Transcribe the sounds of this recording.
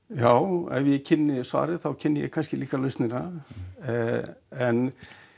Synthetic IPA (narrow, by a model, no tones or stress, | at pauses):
jaːwɛ̰vjɛcʰɪnːɪsva̰ːɾɪθawcʰɪnːɪjɛ̰ɣkʰanscɪliːkalœɥst̪nɪna | ɛn